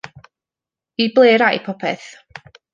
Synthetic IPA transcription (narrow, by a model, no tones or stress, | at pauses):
iblˠeːɾajpʰɔpʰɛ̰θ